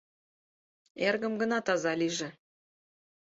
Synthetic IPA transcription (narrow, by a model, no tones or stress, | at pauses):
erɣə̆mɡə̆nɑt̪ɑzɑliʒĕ